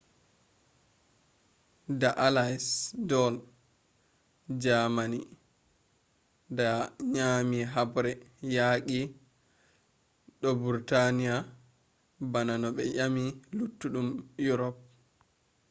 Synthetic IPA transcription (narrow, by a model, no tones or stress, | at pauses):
daʔalajsdɔl | d͡ʒamani | daɲaːmiɦabɾɛjaɡi | ɗɔbuɾtanija | bananɔɓɛ̰ʔamilutːuɗumjuɾɔp̚